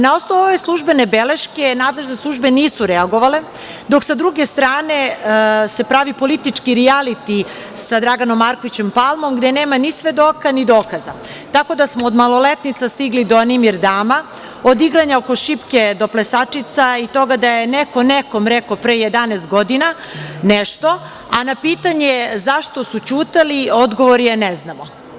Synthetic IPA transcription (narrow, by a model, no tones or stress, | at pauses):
naosnouoʋe̞slˠuʒbe̞nebele̞ʃke̞naːd̪leʒneslˠuʒbe̞niːsuɾeaɡo̞ʋale̞ | d̪o̞ksad̪ɾuɡe̞st̪ɾaːne̞se̞pɾaʋipo̞lit̪it͡ʂkiɾialit̪i | sad̪ɾaɡanomːaɾko̞ʋit͡ɕe̞mpalˠmo̞mɡd̪e̞neːmanisʋe̞d̪o̞kanid̪o̞ːkaza̰ | t̪ako̞d̪asmoːd̪malo̞let̪nit̪sast̪iɡlid̪oanimiɾd̪aːma | od̪iɡɾaɲaoko̞ʃipke̞d̪o̞plesat͡ʂit̪sait̪o̞ɡad̪ajeneko̞nekomɾekopɾeːjed̪anest̪̚ɡo̞d̪ina | neʃt̪o̞ | anapiːt̪aɲe̞zaʃt̪o̞sut͡ɕuːt̪alio̞d̪ɡo̞ʋoɾijeneznamo